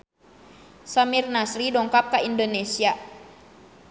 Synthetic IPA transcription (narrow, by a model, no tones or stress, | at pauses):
samirnasɾidɔŋkap̚kaindonesia